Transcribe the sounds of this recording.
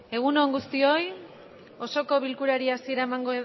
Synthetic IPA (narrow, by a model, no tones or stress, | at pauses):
e̞ɣ̞uno̞eŋɡust̪io̞j | o̞so̞ko̞βilkuɾaɾiasie̞ɾaemaŋɡo